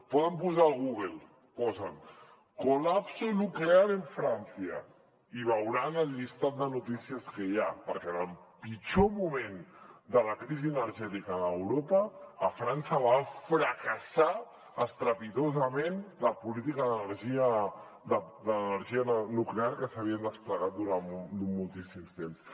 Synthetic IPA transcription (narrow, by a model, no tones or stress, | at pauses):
pɔðəmpuzaːlˠɣuɣelˠ | pɔzən | kulapsunukleaɾeɱfɾansiə̰ | iβ̞əwɾanəlʎist̪at̪̚d̪ənut̪isiəskəjapəɾkɛnəlpit͡ʃomumẽnd̪ələkɾiziənəɾʒɛt̪ikəðəwɾopəːfɾansəβafɾəkəsa | əst̪ɾəpit̪ozəmenləpulit̪ikəðənəɾʒiə | d̪əd̪ənəɾʒiənukleaɾkəsəβ̞iənd̪əspləɣat̪̚d̪uɾand̪ummulˠt̪isimst̪ems